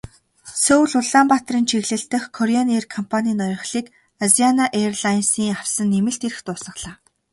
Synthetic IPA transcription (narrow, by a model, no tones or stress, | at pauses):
sɵwɮʊɮampat̪riːnt͡ɕʰiɣɮɘ̆ɬt̪ɘ̆χkʰɔɾianerkʰɔmpʰaniːnɔjɞ̆χɮiːk | azianaʔerɮajnsiːŋaw̥sə̆nːemɘ̆ɬt̪eɾɘ̆xt̪ʊːsə̆χɮaː